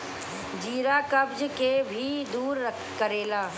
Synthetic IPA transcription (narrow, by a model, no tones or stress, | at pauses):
d͡ʒiːɾakɐbd͡ʒkebʱid̪uːɾːəkʰkəɾeːlaː